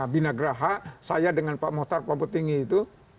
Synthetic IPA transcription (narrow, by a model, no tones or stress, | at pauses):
binaɡəɾaɦasajadəŋanpa̰ʔmot̪arpabut̪iŋiːt̪u